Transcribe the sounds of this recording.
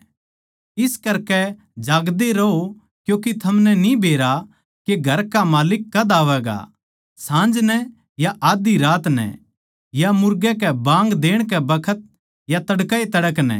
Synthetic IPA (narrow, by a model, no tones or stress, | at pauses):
ɪskɐɾkɛ | d͡ʒaːɡd̪eɾɐo | kjõːkit̪ʰɐmnɛnibʱeːɾa | keɡʱɐɾkamaːlɪkːɐd̪aːʋɛːɡa̰ | sãːnd͡ʒnɛ | jaʔaːd̪iɾaːt̪nɛ̰ | jamʊɾɡɛkɛbãːŋɡd̪eːɽ̃kɛbɐkʰət̪̚ | jat̪ɐɽkaet̪ɐɽəknɛ̰